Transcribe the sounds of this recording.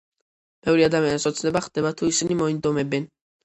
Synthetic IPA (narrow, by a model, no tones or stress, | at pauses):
b̥ɛvɾiad̪amianisɔt̪sʰnɛbaχd̪̥ɛbat̪ʰuisinimɔind̪ɔmɛbɛn